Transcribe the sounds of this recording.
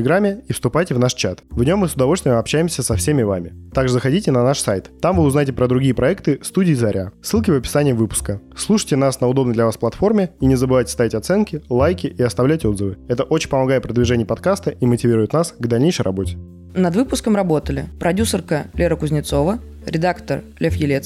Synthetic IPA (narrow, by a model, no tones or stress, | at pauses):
tɪlʲɪɡɾamʲɪifst̪ʊpajtʲɪvnaʂt͡ɕat̪vnʲo̞mːɨsʊd̪ɐvo̞lʲst̪vʲɪnəmɐpɕæjɪmsʲəsɐfsʲemʲɪva̰mʲɪt̪aɡʐɨzəxɐdʲitʲɪnɐnaʂsajt̪t̪ːamvɨʊznajɪtʲɪpɾəd̪ɾʊɡʲijəpɾɐɛkt̪ɨst̪udʲɪːzɐɾʲa̰sɨlˠkʲɪvəpʲɪ̥sanʲɪjəvɨpʊ̥skəslˠuʂəjtʲɪnasnəʊd̪o̞bnəjd̪lʲɐvasplˠɐt̪fo̞rmʲɪinʲɪzəbɨvajtʲɪ̥st̪avʲɪtʲɐt̪sɛnkʲɪlˠajkʲɪʔiɐst̪ɐvlʲætʲo̞d̪zəvɨɛt̪əʔot͡ɕɪnʲpəmɐɡajɪt̪̚pɾəd̪vʲɪʐɛnʲɪjəpɐt̪kast̪əʔimətʲɪvʲiɾʊjɪt̪nasɡd̪ɐlʲnʲejʂəjɾʔɐbo̞tʲɪ̥ | nɐd̪vɨpʊskəmrɐbo̞t̪əlʲɪ̰pɾʔɐdʲusərkəlʲeɾəkʊzʲnʲɪt̪so̞və | ɾʲɪd̪akt̪ərlʲefjɪlʲet̪s